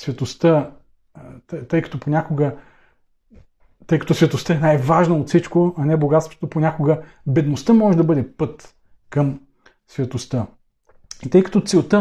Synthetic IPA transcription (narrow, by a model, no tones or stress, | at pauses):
svʲɐt̪ost̪ə | t̪əjkɐ̥t̪oponʲakoɡə | t̪ɤjkɐt̪osvʲɐt̪ost̪əɛnajvaʒnɐot̪fsit͡ʃkoɐnɛboɡat̪st̪vo̥t̪oponʲakoɡə | bɛd̪nost̪əmɔʒɛd̪ɐbɤd̪ɛpɤt̪ | kɐm | svʲɐt̪ost̪ə | it̪ɤjkɐ̥t̪ɔt̪sɛlˠt̪ə